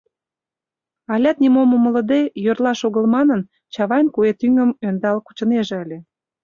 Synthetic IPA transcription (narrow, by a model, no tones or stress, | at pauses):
ɑlʲɑt̪̚nʲimoməmə̆lə̆d̪ejørlɑʃoɣəlmɑnən | t͡ɕɑβɑjnkuet̪yŋəmønd̪ɑlku̥t͡ɕə̆neʒĕəlʲe